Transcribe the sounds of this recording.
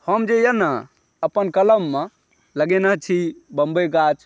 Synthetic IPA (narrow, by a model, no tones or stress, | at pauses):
həmd͡ʒejəna | əpənkələmːe | ləɡenəɦt͡ʃʰibəmbeɡat͡ʃʰ